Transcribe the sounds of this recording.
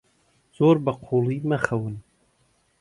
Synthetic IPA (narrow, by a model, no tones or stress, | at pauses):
z̥oːɾbɐqʰoːlˠiːmɐxɐwɨn